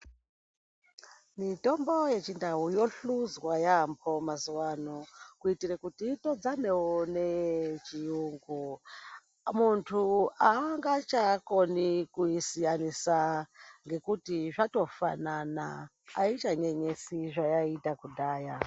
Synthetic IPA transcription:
mito̞mbo̞je̞t͡ʃindaɦujo̞ɬuzwajampʰo̞mazuwanokuitirekutito̞d͡zane̞wonet͡ʃijuːŋɡu | muntʰuaŋɡat͡ʃako̞nikuisijanisaŋɡe̞kutiʐato̞fa̰nana̰ː | it͡ʃaɲe̞ɲesiʐajaitakudʱaːja

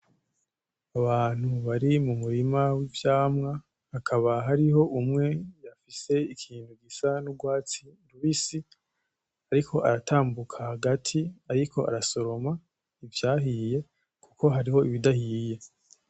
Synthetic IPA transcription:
aβaːn̥huβaɾimumuɾimawivjaːmŋa | hakʰaβaɦaɾiɦo̞ʔumŋe̞jafise̞ikʰiːnhuɡisanuɡwaːt͡siduβisi | aɾikʰo̞ʔa̰ɾatʰaːmbukʰahaɡatʰiaɾikʰo̞ʔa̰ɾaso̞ɾo̞ma | ivjaːɦije̞ | kuko̞ɦaɾiho̞iβidahiːje̞

